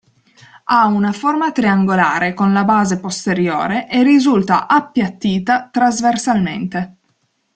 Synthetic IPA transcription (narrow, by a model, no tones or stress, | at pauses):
aunaformat̪ɾiaŋɡolaːɾekonlabaːzepost̪eɾjo̰ːɾeʔerːizult̪a̰ʔapːjat̪ːiːt̪at̪ɾazversalmḛnt̪e